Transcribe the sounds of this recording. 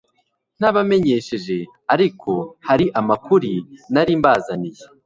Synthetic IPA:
n̥aβame̞ɲe̞ʃe̞ʒe̞ | aɾikʰo̞haɾiʔamakuɾinaɾiːmbaːzanije

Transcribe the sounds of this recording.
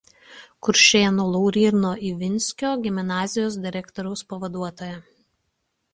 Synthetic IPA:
kʊɾʲʃʲeːnolˠɔʊɾʲiːɾnoːʔiːʋʲɪnʲsʲkʲoːɡʲɪmʲnɑːzʲɪjoːsd̪ʲɪɾʲɛkt̪ɔɾʲɐʊspɐʋɐd̪uɔt̪oːjɛ

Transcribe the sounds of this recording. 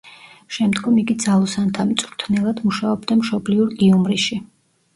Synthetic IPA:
ʃɛmd̪ɡɔmiɡid̪zalˠɔsant̪ʰamit̪sʼuɾt̪ʰnɛlˠad̪muʃaɔbd̪amʃɔbliuɾkʼiumɾiʃi

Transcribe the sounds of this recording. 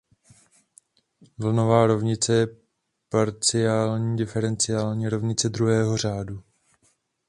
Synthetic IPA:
vl̩no̞vaːɾovɲɪt͡sɛjɛ | paɾt͡sɪjaːlɲiːdɪfɛɾɛnt͡sɪjaːlɲiːɾovɲɪt͡sɛd̪ɾuɦɛːɦo̞r̝aːdu

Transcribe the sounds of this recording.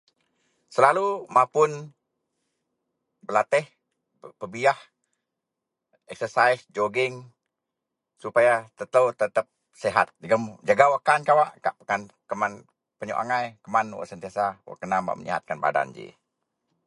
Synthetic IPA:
səlalumapʊn | bəlat̪ɪh | pəbiah | ɛk̚səsaisd͡ʒoɡɪŋ | supajat̪ət̪əwt̪ət̪əp̚ | seɦat̪̚əɡəmd͡ʒaɡawakankawaʔkaʔpəkan | kəman | pəɲṵʔa̰ŋajkəmanwa̰ʔsənt̪iasawa̰ʔkənamba̰ʔmə̰ɲḭɦa̰t̪̚kanba̰da̰nd͡ʒḭ

